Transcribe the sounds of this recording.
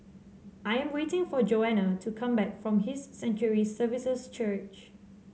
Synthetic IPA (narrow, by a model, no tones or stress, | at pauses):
ʔajɛ̃mwetɪ̃ŋfɔd͡ʒoɛnətʰukʰãmbɛkfɹɔ̃mɦɪsːɛ̃nt͡ʃəɹisəvisəst͡ʃət͡ʃ